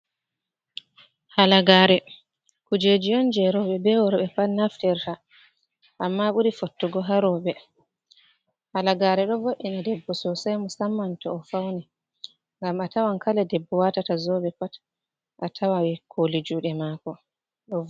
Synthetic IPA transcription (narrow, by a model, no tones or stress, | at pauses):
halaɡaːɾɛ | kud͡ʒed͡ʒijɔnd͡ʒɛɾɔɓɛbɛwɔɾɔɓɛpatnaftɛɾta | ʔːmːaɓuɾifotːuɡɔɦaɾɔɓɛ | halaɡaːɾɛɗɔvoʔinadɛbːɔsɔsajmusamːantɔːfawnɛ | ŋɡamatawankalɛdɛbːɔwatatazɔɓɛpat | ʔatʰawawikʰolid͡ʒuɗɛmaːkɔ | ɗɔ